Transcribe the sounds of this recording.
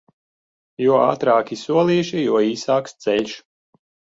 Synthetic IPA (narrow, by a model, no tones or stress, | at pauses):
juɔa̰ːt̪ɾaːkʲisuɔlˠiːʃijuɔiːsaːkst̪sɛʎʲʃ